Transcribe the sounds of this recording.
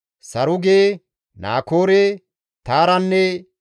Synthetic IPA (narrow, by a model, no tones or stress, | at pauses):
sɐɾʊɡeː | na̰ːkoːɾe | t̪aːɾɐnːɛ